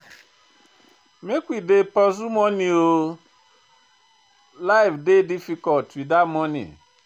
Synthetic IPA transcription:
mekʷidepɔzumɔnio | laɪfdedifikɔtidamɔnḭ

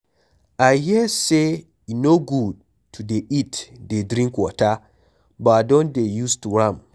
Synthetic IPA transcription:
ʔajhiəse | inoɡud̚ | tʰudeitdedɾĩŋkwɔta | badɔ̃ndejustuɹãm

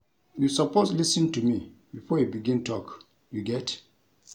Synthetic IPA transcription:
jusɔposlisə̃ntumibifɔjubiɡĩntʰɔk | juɡɛt

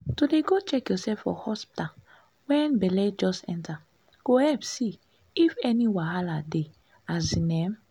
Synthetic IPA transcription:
todeɡot͡ʃɛkjɔsɛfɔ̰hɔspi̥ta | wɛ̃nbɛlɛd͡ʒɔsɛ̰̃nta | ɡ̥ohɛpsi | ifɛniwaɦalade | azinɛm

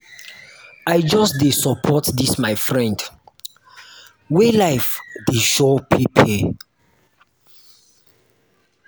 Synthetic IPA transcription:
ajd͡ʒɔsdesɔpʰɔtdismajfɹɛ̃nd | welaɪfdeʃɔpʰipʰɛ

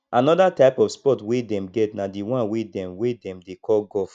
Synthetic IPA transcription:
ʔanɔdataɪpɔfspɔtwedɛ̃mɡɛtnadiwãnwedɛ̃mwedɛ̃mdekʰɔlɡɔf

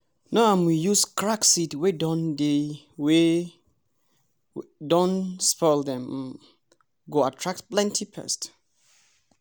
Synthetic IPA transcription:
naãmwijuskʰɹaksitwedɔ̃nde | we | dɔ̃nspɔldɛ̃m | ɡoatʰɹak̚tplɛ̃ntʰipʰɛ̰st

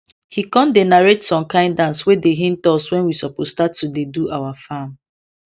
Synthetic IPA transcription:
hikɔ̃ndenaɹetsɔ̃mkãɪ̃ndãnswedeɦĩntɔswɛ̃nwisɔpostatːudeduʔawafam

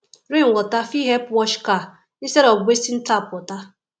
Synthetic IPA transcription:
ɾiŋ̩wɔtafiɦepwɔt͡ʃka | iseɾɔɡʷesin̩tapɔta

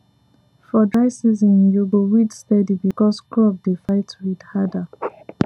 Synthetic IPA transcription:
fɔdɹaɪsizɔ̃njuɡowidstɛdibikɔskɹɔb̚defaɪtwidhada

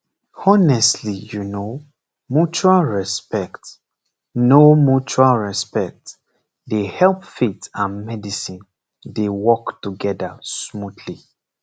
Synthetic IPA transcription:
ɔnɛstlijuno | mjut͡ʃualɹɛspɛkt | nomjut͡ʃualɹɛspɛk̚t | dehɛlˠpfetãnmɛdisĩn | dewɔktuɡɛdasmutʰli

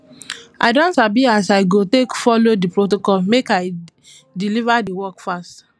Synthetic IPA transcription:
ʔa̰ɪdɔ̃nsabiasaɪɡotekfɔlodipɹotokɔlmekaɪ | dilivadiwɔkfast

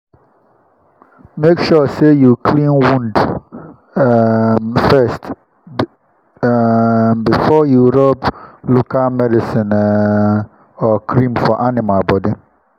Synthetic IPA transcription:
mekʃɔsejukʰlĩnwũnd | mfɛst | mbifɔjuɾɔblukʰamɛdɪsɪ̃n | ɔkʰɾĩmfɔʔanɪmalbɔdi

